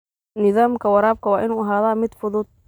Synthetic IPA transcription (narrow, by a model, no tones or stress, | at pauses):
nɪðaːmkʰɐwɐɾaːb̚kʰɐwɑːʔɪnuːɐɦaːðaːmɪd̪fʊðʊd̪̚